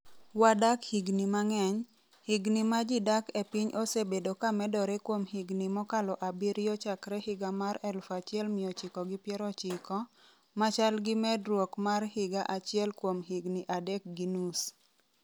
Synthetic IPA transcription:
wadakhiɡnimaŋɛɲ | hiɡnimad͡ʒidakepɪɲʔosebedokamɛdɔɾɛkwomhiɡnimɔkalɔʔabiɾjɔt͡ʃakɾɛhɪɡamaɾɛlfat͡ʃɪɛlmɪɔt͡ʃɪkɔɡɪpjɛɾɔt͡ʃɪkɔ | mat͡ʃalɡɪmɛdɾwokmarhɪɡaʔat͡ʃɪɛlkwomɦiɡniʔadɛk̚ɡinus

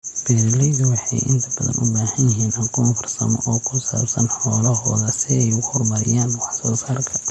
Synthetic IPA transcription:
b̥ɛːɾɪlɛjðʊwɑħɑ̰jʔɪ̰nt̪ʰɐb̥ɐðɐ̰nʔʊbaːhɐnjɪɦiːnɐkʰɔːnfʊrsɐ̰mɔ̰ʔɔːkʰʊlsa̰ːbsɐnħɔːlɐɦɔːðɐsɪɛjʊhʊrmɐɾɪ̰jaːnwɑħsɔːsaːrkʰɐ̥

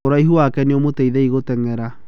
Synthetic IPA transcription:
oɾaiɦuakɛneomotɛiðɛiɣotɛŋɛɾa

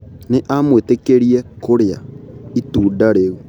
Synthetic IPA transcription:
neʔamwetekeɾiɛkoɾea̰ituːdaɾeɣu

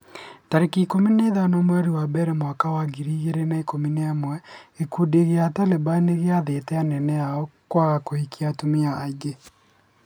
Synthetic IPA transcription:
taɾekikomineːðanɔmwɛoɾiwabɛɾɛmwakawaɡiɾiːɣeɾenaeikomineamwɛekudeɣeatalebaneɣeaðetɛanɛnɛjaɔkwaɣakohikiatomiaːɡe

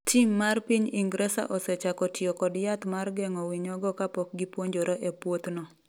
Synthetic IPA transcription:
tʰimːarpiɲiŋɡɾɛsa̰ʔɔsɛt͡ʃakɔtjɔkɔdjat̪marɡɛŋɔwiɲɔɡɔkapɔk̚ɡipwoɲd͡ʒoɾoʔɛpwot̪nɔ

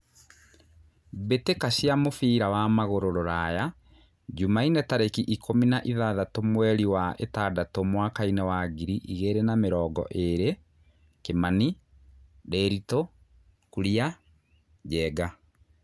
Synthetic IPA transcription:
betekasjamofiːɾawamaɣoɾoɾoɾaja | ɟumainɛtaɾekiʔikʰominaʔiðaðatomwɛɾiwaʔetaːdatomwakainɛwaːɡiɾiʔiɣeɾenameɾɔːɡɔ̰ʔeɾe | kemani | dɛɾito | kuɾja | ɟɛːɡa

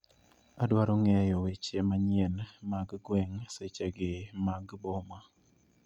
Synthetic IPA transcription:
adwaɾɔŋɛjɔwet͡ʃemaɲɪɛnmaɡɡwɛŋset͡ʃeɡɪmaɡbɔma

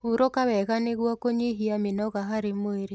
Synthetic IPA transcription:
uɾokaβɛɣaneɣwakoɲeɦiamenɔɣaɦaɾemoeɾe

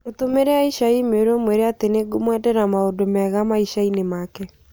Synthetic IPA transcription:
otomeɾɛaiʃaimeɾomweɾeateneɡomwɛdɛɾamaodomɛɣamaiʃainemaːkɛ

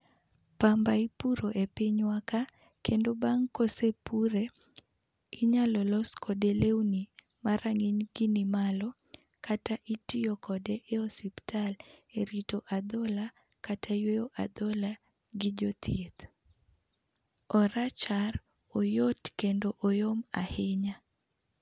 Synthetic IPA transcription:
pambaipuɾoʔepɪɲwaka | kʰendobaŋkosepuɾe | iɲalɔlɔskʰɔdeleuni | maɾʔaŋɪɲɡ̥ɪnɪmalɔ | kataʔitiɔkɔdeʔeɔsiptaleɾitoʔad̪ɔla | katʰajwejoʔa̰d̪ɔla | ɡɪd͡ʒot̪ʰjet̪ | ɔɾat͡ʃar | ojotkendoʔojoma̰hɪɲa

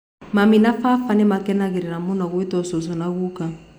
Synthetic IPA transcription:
maminafafanɛmakɛnaɣiɾɛnamunaɣwitɔsɔsɔnaɣuka

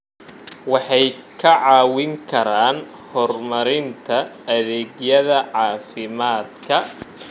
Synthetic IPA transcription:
wɑħɑjkʰɐʕɑːwɪŋkʰɐɾaːn | hɔrmɐɾɪnt̪ʰɐːðɛːɡjɐðɐʕɑːfɪmaːd̪kʰɐ

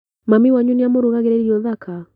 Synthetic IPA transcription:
mamiwaɲuniamoɾoɣaɣeɾɛɾiɾiɔðaka

